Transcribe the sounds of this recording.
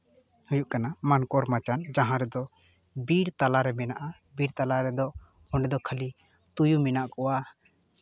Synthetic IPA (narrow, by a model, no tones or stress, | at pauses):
hujuʔkanamankɔɾmat͡ʃand͡ʒãɦãɾɛd̪ɔ | biɾt̪alaɾɛmɛnaʔa | biɾt̪alaɾɛd̪ɔ | hɔ̃ɳɖɛd̪ɔkʰəli | t̪ujumɛnaʔkɔwa